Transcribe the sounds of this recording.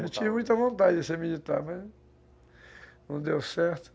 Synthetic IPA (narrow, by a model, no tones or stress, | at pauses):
nɐ̃t͡ʃivɐmũj̃t̪ɐvõnt̪ad͡ʒɪd̪ɪsemilit̪aɾmɐz | nɐ̃w̃d̪ewsɛɾt̪ʊ̥